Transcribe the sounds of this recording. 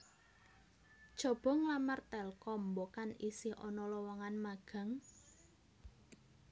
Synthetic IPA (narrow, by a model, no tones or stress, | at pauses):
ʒ̥ɔ̤b̥ɔ̤ŋlamart̪ɛlkɔmbokanisiʔɔnɔlɔwɔŋanmaɡ̥ä̤ŋ